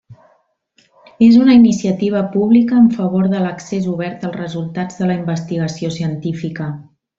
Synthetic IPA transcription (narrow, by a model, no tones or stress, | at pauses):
ezunəinisiət̪iβ̞əpuβ̞likəːɱfəβoɾðələksezuβ̞ɛɾt̪əlˠzrəzulˠt̪ad͡zðələimbəst̪iɣ̞əsiosiənt̪ifikə